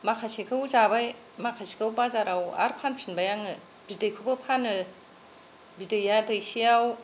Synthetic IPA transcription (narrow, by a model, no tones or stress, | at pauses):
makʰasekʰɯwzabaj | makʰasi̥kʰɯwbazaɾawa̰ɾpʰanpʰinbajaŋɯ | b̥idɯjkʰubɯpʰanɯ | bidɯjadɯjsijaw